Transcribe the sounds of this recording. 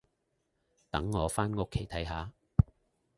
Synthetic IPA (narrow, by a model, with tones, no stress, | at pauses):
t̪ɐ˨˥ŋːɔː˨˧faː˥nŋʊ˦˥kʰːe˨˥jt̪ʰɐ˨˥jɦaː˨˧